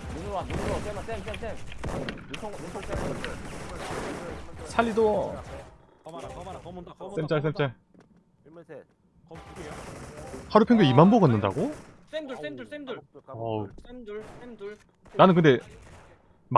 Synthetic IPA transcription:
sʰaʎːido | s͈emt͡ɕ͈as̬͈emt͡ɕ͈a | haɾupʰeŋɡeimanboɡanːɯnda̰ɡo | ʌ | nanɯnk̬ɯnde̞ | m

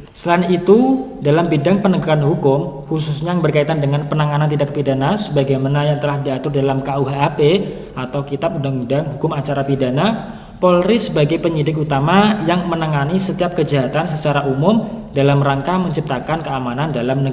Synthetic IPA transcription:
səlainit̪u | dalambidaŋpənəɡukanɦukʊmhususɲabərkait̪andəŋanpənaŋanant̪idak̚pidanasəbaɡajmanajaŋt̪əlahdiat̪ʊrdalamkauɦaːpe | at̪awkit̪ap̚undaŋudaŋɦukʊmat͡ʃaɾapidana | pɔlɾisəbaɡajpəɲidɪk̬̚ut̪amajaŋmənəŋanisət̪iap̚kəd͡ʒaɦat̪ansət͡ʃaɾaʔumʊmdalamraŋkaməɲt͡ʃip̚t̪akankəamanandalamnəɡ

